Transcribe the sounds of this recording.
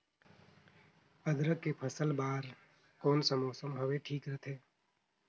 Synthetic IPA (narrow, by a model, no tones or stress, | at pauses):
əd̪ɾəkːepʰəsəlbaːɾ | koːnsəmoːsəmɦəʋeʈʰiːkɾət̪ʰeː